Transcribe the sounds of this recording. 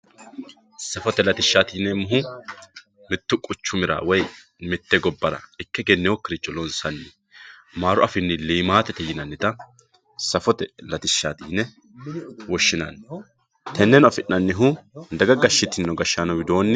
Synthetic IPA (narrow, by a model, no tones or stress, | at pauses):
sɐfɔt̪ɛlɐt̪ɪʃːaːt̪iːnɛmʊɦʊ | mɪt̪ːʊkʼʊt͡ʃːʊmɪɾa̰wɔj | mɪt̪ːɛɡɔbːɐɾɐ̰ɪkːɛɡɛnːɛwɔkːɪɾɪt͡ʃʼːɔlɔnsɐnːɪ | maːɾʊʔɐfɪnːɪliːmaːt̪ɛt̪ɛjɪnɐnːɪt̪ɐ | sɐfɔt̪ɛlɐt̪ɪʃːaːt̪iːnɛ | wɔʃːɪnɐ̰n | t̪ʰɛnːɛnɐfɪnːɐnːɪɦʊd̪ɐɡɐɡɐʃːɪt̪ːɪnːɔɡɐʃːaːnɔwɪd̪o̞ːnːɪ